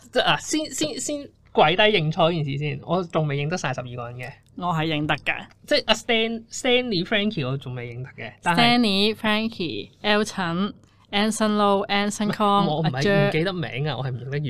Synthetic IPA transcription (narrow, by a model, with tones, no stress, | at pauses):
t͡sɛ˥laː˨˩siː˥nsiː˥nsiː˥n | kʷwɐ˨˥jt̪ɐ˨˥jɪ˧ŋt͡ʃʰɔː˧˥kiː˨˩nsiː˨siː˥˩nʔɔ̰ː˨˧t͡sʊ˨ŋme˨jɪ˨˧ŋt̪ɐ˥k̚saː˧jsɐ˨p̚jiː˨kɔː˧ɐ˨˩nkɛ˧ | ŋɔː˨˧ɦɐ˨jːɪ˨˧ŋt̪ɐ˥kːɐ̰ː˧t͡sɛ˥˩jʔɐ˧st̪ɛː˥nst̪ɛː˥nliː˨˧˥fɹɛː˥ŋkʰiː˨˩ɔː˨˧t͡sʊ˨˩ŋme˨˩jɪ˨˧ŋt̪ɐ̥˥kːɛː˧tsa˨nt̪ɐɛː˥nliː˨˧˥fɹɛː˥ŋkʰḭː˨˩ɛː˥wt͡sʰɐ˨˥n | ɛː˥nsɐ˥nlo˥wʔɛː˥nsɐ˥nkʰɔː˥ŋɔː˨˧mɐ˧˨˩hɐ˨jœː˥˨ke˧t̪ɐ˥k̚mɛ̰ː˨˥ŋɐ˧ŋɔ̰˨˧ɐ˨jm̩˨˩ɪ˨ŋt̪ɐ˥k̚ː